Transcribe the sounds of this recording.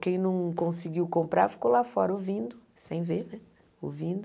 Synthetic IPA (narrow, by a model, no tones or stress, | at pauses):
kẽj̃nɐ̃w̃kõsiɡiwkõmpɾa̰ɾfi̥kowlafɔɾɐovĩd̪ʊ | sẽj̃venɛ | ovĩd̪ʊ